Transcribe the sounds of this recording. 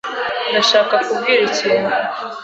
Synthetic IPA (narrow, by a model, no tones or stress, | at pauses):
ndaʃaːkakubɡiːɾiciːne